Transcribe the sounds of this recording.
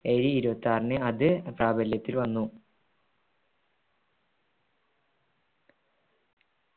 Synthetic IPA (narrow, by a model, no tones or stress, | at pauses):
eɾiiɾubɐt̪ːaːrnɨɐðɨpraːbɐljɐt̪ːilʋɐnːu